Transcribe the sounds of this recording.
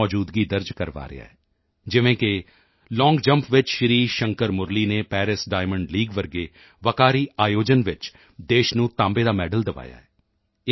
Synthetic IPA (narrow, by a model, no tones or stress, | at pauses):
ɔːd͡ʒuːd̪ɡiːd̪əɾd͡ʒkəɾʋa̰ːɾɪ̰ja̰ːɛː | d͡ʒɪʋẽːkɪ | lɔ̃ːŋɡd͡ʒə̃mpʰʋɪt͡ʃʃɾiːʃəŋkəɾmʊɾliːneːpɛːɾɪsɖaːɪməɳɖliːɡʋəɾɡeː | ʋəkaːɾiːʔaːjoːd͡ʒənʋɪt͡ʃ | d̪eːʃnũːt̪ãːmbeːd̪aːmɛːɖəld̪əʋa̰ːja̰ːɛː